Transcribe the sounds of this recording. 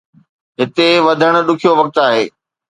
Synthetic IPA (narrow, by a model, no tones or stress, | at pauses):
ɦɪt̪eʋɐd̪ʱəɽ̃ʊ̆ɗʊkʰijoʋɐk̚t̪aːɦeː